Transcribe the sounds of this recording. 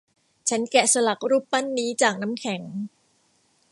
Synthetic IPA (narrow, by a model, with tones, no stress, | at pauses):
t͡ɕʰa˦˥nkɛ˨˩sa˧la˨˩k̚ɾuː˥˩pːa˥˩nːiː˦˥t͡ɕaː˨˩k̚na˦˥mkʰɛ˨˩˦ŋ